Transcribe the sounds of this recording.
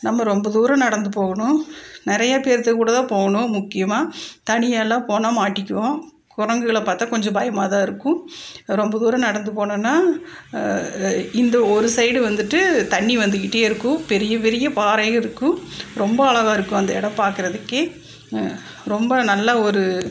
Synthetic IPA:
nɐmːɐɾɔmbɐðuːɾɐ̃nɐɽɐnd̪ɯpoːɣɐɳʊ̃nɪɾɐjɐpeːɾt̪ːɐkuːɽɐt̪ãːpoːɣɐɳʊ̃mʊkːɪjɐmaːt̪ɐɳɪjɐlːãːpoːnaːmaːʈːɪkʲːɯʋõː | kʊɾɐŋɡɯɣɐɭɐpaːɾt̪aːkɔɲd͡ʒɐ̃baːjɐmaːðaːɪɾɯkːʊ̃ɾɔmbɐðuːɾɐ̃nɐɽɐnd̪ɯpoːɳɐnːaː | ɪnd̪ɐɔɾɯsɐɪɽɯʋɐnd̪ɯʈːɯt̪ɐɳːiʋɐnd̪ɯkɪʈːeːɪɾɯkːʊ̃pɛɾɪjɐpɛɾɪjɐpaːɾɐɣɐɪɾɯkːʊ̃ɾɔmbɐɐɭɐɣaːɪɾɯkːʊ̃ɐnd̪ɐɪɽɐmpaːɾkɯɾɐðɯkːe | ɾɔmbɐnɐlːɐɔɾɯ

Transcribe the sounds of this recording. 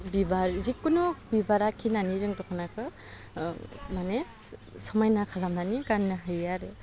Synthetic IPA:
bibaɾzikːunubibaɾakʰːinaniɾɯŋdɔkʰanakʰɯ | mane | sɔmajnakʰalamnanikanːɯɦɯjaɾɯ

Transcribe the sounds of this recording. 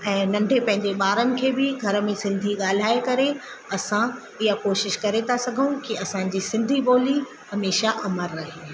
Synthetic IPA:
ɛ̃ːnɐ̃ɳɖʱepɐ̃ɦɪ̃ɲd͡ʑeɓaːɾənɪ̆kʰeːbɪɡʱɐɾə̆mẽsɪ̃nd̪ʱiɠaːl̤aːekɐɾe | ɐsã | ɪɦakoːʃɪʃkɐɾet̪ʰasɐɡʱəũkiɐsã̆ːd͡ʑiːsɪ̃nd̪ʱiɓoːli | hɐmeːʃaʔɐməɾːɐɦeː

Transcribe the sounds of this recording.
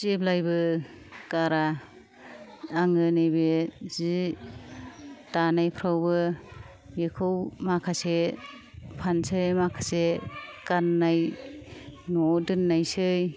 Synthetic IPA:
zeblajbɯ | kaɾa | ŋɯnɯjbezi | tanajpʰɾawbɯ | jekʰɯwmakʰase | pʰansɯjmakʰḁsekanːaj | nɔdɯnːajsɯj

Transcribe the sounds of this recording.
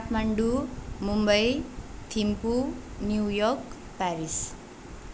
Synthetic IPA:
ap̪ʰmaɳɖumumbʌjt̪ʰimpunjuwjɔk | paɾis

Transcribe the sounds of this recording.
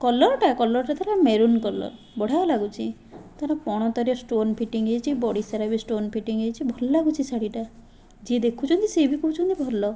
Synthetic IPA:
kɔlɔɾʈakɔlɔɾʈat̪ʰaɾameɾunkɔlɔ̰ɾ | bɔɽ̤ajɔlaɡut͡ʃʰi | t̪aɾapɔɽ̃ɔt̪ɔɾjɔsʈonpʰiʈiŋejt͡ʃʰibɔɽisaɾabisʈonpʰiʈiŋejt͡ʃʰibʱɔɾɔlaɡut͡ʃʰisaɽiʈa | d͡ʒied̪ekʰut͡ʃʰɔnt̪isebikuut͡ʃʰɔnt̪ibʱɔɾlɔ

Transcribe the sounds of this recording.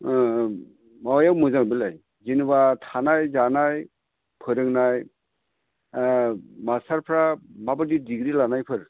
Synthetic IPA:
mawjawmɯzaŋbilaj | zinbatʰanajzanaj | pʰɯɾɯŋnaj | masaɾpʰɾamabɯdidiɡɾilanajpʰɯɾ

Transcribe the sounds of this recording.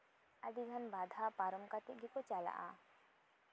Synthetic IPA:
ad̪iɡʱənbad̪ʱapaɾɔmkat̪ɛʔ̚ɡʱɛkɔt͡ʃala̰ʔa̰

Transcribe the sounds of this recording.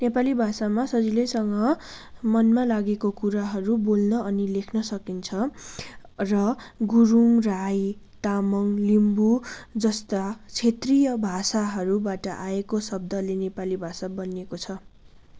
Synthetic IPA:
nepalibʱasamasʌd͡zilesʌŋɡʌmʌnmalaɡekokuɾaɦʌɾubolnʌʌnilekʰnʌsʌkint͡sʰʌ | rʌɡuɾumrajt̪amʌŋlimbud͡zʌst̪at͡sʰet̪rijʌbʱasaɦʌɾubaʈʌʔaekosʌb̚d̪ʌlenepalibʱasabʌnekot͡sʰʌ

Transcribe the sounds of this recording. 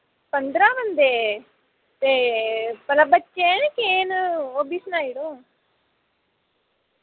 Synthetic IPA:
pɐnd̪ɾaːmɐnd̪e | t̪epɐlɐbɐt͡ʃːeːnikeːnobisnaːjiɽu

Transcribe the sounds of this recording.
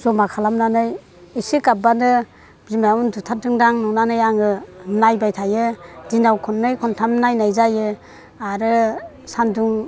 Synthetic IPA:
zɔmakʰalamnanɯj | ɯsikabanɯ | bzimaundutʰadɯŋdaŋnɔnanɯjaŋɯnajbajtʰajɯdinawkʰɔnːɯjkʰɔntʰamnajnajzajɯ | aɾɯ | sanduŋ

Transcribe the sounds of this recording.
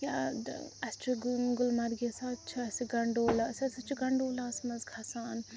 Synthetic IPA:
jʲaɐst͡ʃʰuɡɡʊlmɐɾɡesaːt͡ʃʰiɐsiɡɐɳɖoːlasɐsɐt͡ʃʰiɡɐɳɖoːlaːsmɐzɡʰʱasaːn

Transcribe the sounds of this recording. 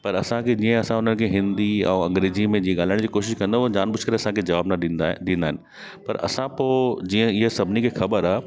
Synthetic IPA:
pɐɾɐsãkʰed͡ʑiːə̃ɐsãʊn̤ənɪ̆kʰeːɦɪ̃nd̪iɛ̰̃ːɐ̃ŋɡɾeːzimẽd͡ʑiːə̃ɠaːlaɪɽ̃d͡ʑiːkoːʃɪʃkɐ̃nd̪oɦod͡ʑaːnbʊt͡ʃʰkɐɾeɐsãkʰed͡ʑɐʋaːbnɐɗĩːnd̪aːɦɪnɪ̆ | pɐ̰ɾɐ̰sãpoːd͡ʑiːə̃ɪɦesɐbʱɪnikʰeːxɐbəɾaː

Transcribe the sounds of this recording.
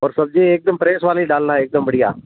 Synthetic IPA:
ɔːɾsəb̚d͡ʒeːek̚d̪əmpɾeːsʋaːlĩːɖaːlnaːeɪk̚d̪əmbəɽija̰ː

